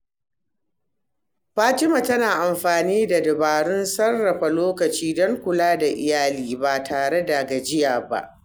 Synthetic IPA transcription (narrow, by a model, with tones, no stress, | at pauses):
ɸaː˦tɪ˦ma˨tɐ˦naː˨ʔa˨mɸaː˨niː˦da˨dɪ˨baː˨ɽʊ˦nsɐ˦rːɐ˨ɸa˨loː˦kɐ˨t͡ʃiː˦dɔ˦ŋkʷʊ˨laː˦da˨ʔɪ̰˨jaː˦liː˦ba˨tʰaː˨ɽe˦da˨ɡa˨d͡ʒɪ˦jaː˨ba̰˦ʔ